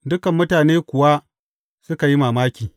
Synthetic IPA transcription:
dʊ˦kɐ˨mːʊ˦taː˨neː˦kʷʊ˨wa˦ | sʊ˦ka˨ji˦maː˨maː˦kʲiː˨

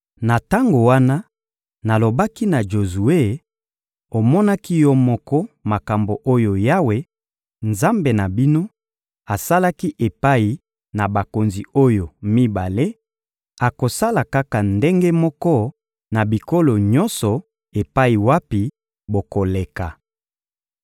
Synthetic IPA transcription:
na˨ta˦ŋɡo˨wa˦na˦ | na˨lo˨ba˦ki˦na˨ʒo˨zu˨e˦˨ | o˨mɔ˦na˦ki˦jɔ˦mɔ˦kɔ˦ma˨ka˨mbo˨ʔo˦jo˨ja˦we˦ | nza˦mbe˨na˨bi˦no˦ | a˨sa˦la˦ki˦ʔe˨pa˦i˨ | na˨ba˨ko˨nzi˨o˦jo˨mi˦ba˨le˦ | a˨ko˨sa˦la˨ka˦ka˨nde˦ŋɡe˦mɔ˦kɔ˦ | na˨bi˨ko˦lo˨ɲɔ˦nsɔ˨ | e˨pa˦i˨wa˦pi˨ | bo˨ko˨le˨ka˨

